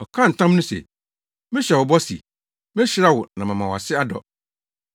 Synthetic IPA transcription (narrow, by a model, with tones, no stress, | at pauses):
ɔ˨kʰã˦n̩˨tʰã˦mnũ˦sḛ˨ | mɪ̃˦ɕᶣɛ˨wʊ˨bɔ˦sḭ˨ | mɪ̃˦ɕɪ˦ɾa˦wʊ˨nã˨mã˨mã˨wɔ˨a˨sɪ˦a˦dɔ̰˨